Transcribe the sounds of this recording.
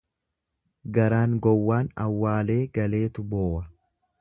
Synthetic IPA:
ɡɐɾaːŋɡɔwːaːnɐwːaːle̞ːɡɐle̞ːt̪ʊbo̞ːʔɐ

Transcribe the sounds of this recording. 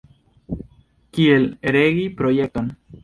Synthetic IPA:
kieleɾeɣipɾojek̚t̪on

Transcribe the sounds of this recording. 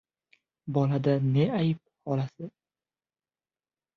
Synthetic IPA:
bɒlad̪aneajɪp̚hɒlasɪ

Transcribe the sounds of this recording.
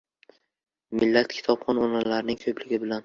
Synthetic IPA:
mɪlːat̪kʲʰɪ̥t̪ʰɒpχɒnɒnalaɾnɪŋkʰɵplɪɡʲɪbɪlan

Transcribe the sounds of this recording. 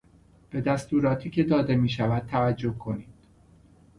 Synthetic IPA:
b̥e̞d̪æst̪uːɾɒːt̪ʰiːcʰe̞d̪ɒːd̪e̞miːʃævæd̪̚t̪ʰævæd͡ʒːo̞hkʰo̞niːd̪̥

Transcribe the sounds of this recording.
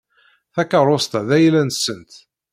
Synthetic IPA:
θækːərˤost̪æðæjlænsənt̪

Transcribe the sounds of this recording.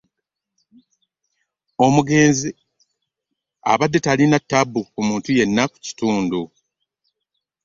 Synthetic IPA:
o̞muɡe̞ːnzi | a̰βadːe̞talinatːabːukumuːntuje̞nːaku̥ci̥tuːndu

